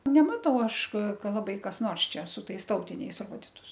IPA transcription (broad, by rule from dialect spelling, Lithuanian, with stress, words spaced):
nʲɛˈmɑːtɐʊ ˈɐʃ ˈkɐ lˠɐˈbɐɪ kɐs ˈnoːrs t͡ʃʲɛ sʊ ˈtɐɪs ˈtɐʊtʲɪnʲɛɪs ˈroːdʲɪtʊs